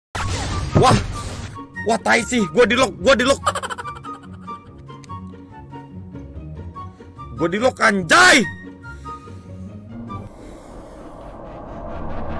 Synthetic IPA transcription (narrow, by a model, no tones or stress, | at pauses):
wah | waht̪aisihɡuadilɔk̚ɡuadilɔk̚ | ɡuadilɔkaɲd͡ʒai